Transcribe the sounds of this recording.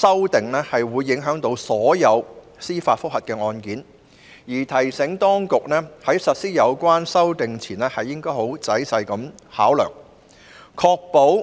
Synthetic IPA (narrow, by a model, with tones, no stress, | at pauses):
sɐ˥wt̪ɪ˨ŋnɛ˥hɐ˨jwuː˨˧jːɪ˨˥ŋɦœː˨˥ŋt̪o˨˧˥wsɔː˨˥jɐ˨˧w | siː˥faː˧t̚fʊ˥k̚hɐ˨˩t̚kɛː˧ŋɔː˧nkiː˨˥n | jiː˨˩t̪ʰɐ˨˩jsɪ˨˧˥ŋt̪ɔː˥ŋkʊ˨k̚nɛː˥hɐ˨˥jsɐ˨t̚siː˥jɐ˨˧wkʷaː˥nsɐ˥wt̪ɪ˨ŋt͡sʰiː˨˩nɛː˥hɐ˨jːɪ˥ŋkɔː˥jho˨˥wt͡sɐ˨˥jsɐ˧jkɐ˨˥mhaː˨˥wlœ̰ː˨˩ŋ | kʰɔː˧k̚po˨˥w